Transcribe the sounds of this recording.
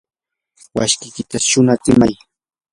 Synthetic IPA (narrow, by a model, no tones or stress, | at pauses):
wa̰ʃkɪkɪt̪aʃʊnat͡sɪmaj